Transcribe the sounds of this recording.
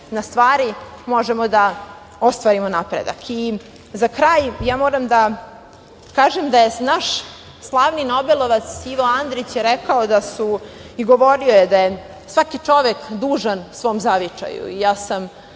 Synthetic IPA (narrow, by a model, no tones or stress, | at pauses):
nast̪ʋaːɾimo̞ʒemod̪a | ost̪ʋaːɾimonapɾḛd̪a̰kʰi | zakɾaːjjaːmo̞ːɾamd̪a | kaːʒemd̪ajenaʃ | slˠaːʋnino̞belˠo̞ʋat̪siʋoand̪ɾit͡ɕjeɾɛkaod̪asuiɡo̞ʋo̞ɾio̞jed̪aje | sʋakit͡ʂo̞ʋekd̪uːʒansʋo̞ːmzaʋit͡ʂa̰jṵijaːsam